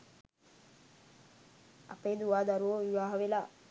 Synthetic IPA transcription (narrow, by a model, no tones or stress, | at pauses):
ɐ̰peːd̪uʋaːd̪aɾuʋoʋiʋaːɦɐʋela